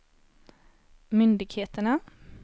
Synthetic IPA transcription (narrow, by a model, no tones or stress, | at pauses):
mʏnd̪ɪɡheːt̪əɳa